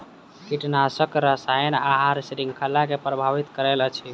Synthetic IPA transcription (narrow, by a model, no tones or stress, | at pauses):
kiʈnasəkɾəsajənaɦaɾsɾiŋɡkʰəlːakepɾəbʱaʋit̪kəɾɛlət͡ʃʰi